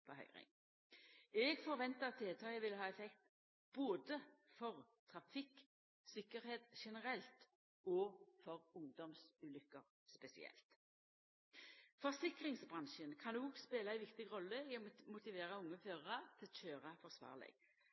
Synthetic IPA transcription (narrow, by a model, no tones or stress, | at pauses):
pʰɔɦœ̰ʏʁɪ̰ŋ | ɛɡfɔɾʋɛnt̪əɑt̪̚ʰd̪eːlt̪ʰɑːəʋɪlːəɦɑːɛfɛkt̪ | b̥oːd̪əfɔʁt̪ʰʁɑfɪkː | sɪkːəɾheːt̪ʃɛnəʁɛlt̪ | oːfɔʁʊŋd̪ɔmsʉːlʏkːəʁ | spɛsɪ̰ɛ̰lt̪ | fɔʁsɪkʁɪŋsbʁɑnʃənkʰɑnuːɡspeːlaæɪʋɪkt̪ɪɡʁɔlːəɪɔmʊt̪ɪʋeːɾəʊŋːəføːʁəʁət̪ʰɪlt͡ʃøːʁɑfɔʁsʋɑ̰ːʁlɪ̰ɡ̥